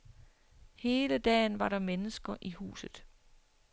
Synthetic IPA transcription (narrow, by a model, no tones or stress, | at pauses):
he̝ːləd̥ɛ̰ːnʋɑ̈ɾɑ̈menəsɡ̥ɐʔihṵːsð̩ˠ